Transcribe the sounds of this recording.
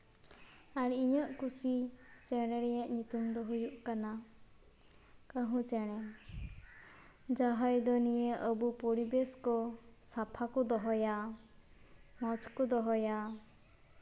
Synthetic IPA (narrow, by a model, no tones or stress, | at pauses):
aɽiɲɔʔkusit͡ʃɛɽ̃ɛɾɛjaʔɲut̪umd̪ɔɦujuʔkana | kəɦũt͡ʃɛɽ̃ɛ | d͡ʒaɦɔjd̪ɔnijeʔəbupoɽibeskɔsapʰakɔd̪ɔɦɔja | mɔt͡ʃʰkɔd̪ɔɦɔja